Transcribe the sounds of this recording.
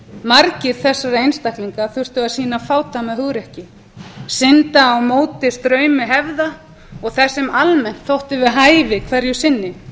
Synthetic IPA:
maɾcɪɾ̥θɛsːaɾejnst̪ahkliŋkaθʏr̥t̪ʏaðsiːnafaːwt̪amaðɦʏɣɾɛhcɪ | sɪnt̪aːwmoːwt̪ɪst̪ɾœːɥmɪɦɛvða | ɔɣθɛsːɪmalmɛn̥t̪θowht̪ɪvɪðɦaːjvɪkʰvɛɾjʏsɪnːɪ

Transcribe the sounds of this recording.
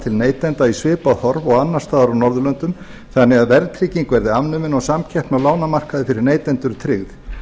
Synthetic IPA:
t̪ʰɪlneːjt̪ɛnt̪aisvɪːpaðhɔɾvɔɣanːaɾ̥st̪aːðaɾawnɔɾðʏlœnt̪ʏm | θanːɛɣaðvɛɾt̪ʰɾɪciŋkvɛɾðɪamnʏmɪnɔɣsamcʰɛhpnawlaːwnamar̥kaðɪfɪɾɪɾneːjt̪ɛnt̪ʏɾʏt̪ʰɾɪɣð

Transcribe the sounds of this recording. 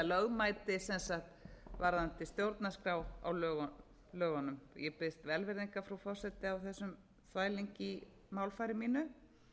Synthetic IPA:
alœɣmajt̪ɪsɛnsaxt̪vaɾðant̪ɪst̪jowɾt̪naskɾaːwa̰wlœːɣ | lœːɣanʏmjɛpɪst̪vɛlvɪɾðiŋkafɾawfɔr̥sɛt̪ɪawθɛsːʏm | θvaːjliɲcɪ | maːwlfajɾɪmiːnʏ

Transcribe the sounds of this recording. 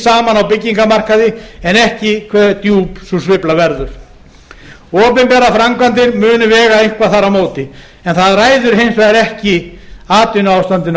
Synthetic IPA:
saːmanawpɪcːiŋkamar̥kaðɪɛnɛhcɪkʰvɛt̪juːpsusvɪplavɛɾðʏɾ̥ | ɔːpɪmpɛɾafɾaŋkvant̪ɪɾmʏːnʏvɛːɣaejŋ̥kʰvaθaɾawmoːwt̪ɪ | ɛnθaðraːjðʏɾ̥ɦejnsɛaɾɛhcɪaːt̪ʏnʏaːwst̪ant̪ɪn

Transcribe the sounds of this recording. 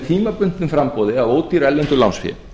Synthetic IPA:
t̪ʰiːmapʏn̥t̪nɪnfɾampoːwðɪavoːwt̪iɾɛlːɛnt̪ʏlansfjɪ̰

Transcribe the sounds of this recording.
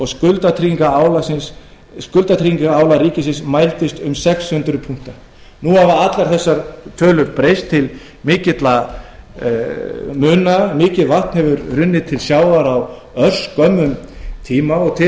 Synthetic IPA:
ɔɣskʏlt̪at̪ʰɾiŋkaaːwlasɪnsː | kʏlt̪at̪ʰɾiːiŋkaaːwlaɾiːcɪsɪnsmajlt̪ɪst̪ʏmsɛkshʏnt̪ɾʏpʰuŋ̥t̪a | nuavaat̪laɾ̥θɛsːaɾt̪ʰœːlʏɾpɾejst̪ʰːɪl | mɪːcɪt̪la | mʏːnamɪːcɪðvaht̪nhɛvʏɾrʏnːɪt̪ʰɪlsjaːwvaɾaw | œr̥skœmːʏmt̪ʰiːmaɔɣt̪ʰɪ

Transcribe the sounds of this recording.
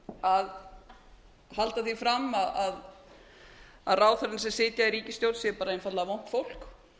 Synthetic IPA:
að | halt̪aθifɾamːaðað | aðraːwθœɾɪnsɛmsɪːt̪jaiɾiːcɪst̪jowɾt̪sjɛpaːɾaejnfat̪laðavown̥t̪fowl̥k

